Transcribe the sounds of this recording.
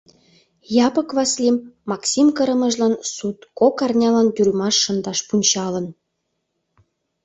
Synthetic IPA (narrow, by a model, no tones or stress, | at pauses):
jɑpɤ̆kβɑslʲimːɑksʲimkə̆ɾə̆mə̆ʒlɑnsut̪kokɑrnʲɑlɑnt̪yɾʲymɑʃːɤ̆nd̪ɑʃpunʲt͡ɕɑlə̆n